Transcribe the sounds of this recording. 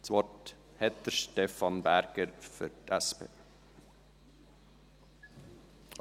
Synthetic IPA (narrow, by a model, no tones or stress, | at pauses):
t͡sʋɔt | hɛt̪d̪əɾʃtefɑnbæɾɡ̥əɾfʏtʰɛspʰḛː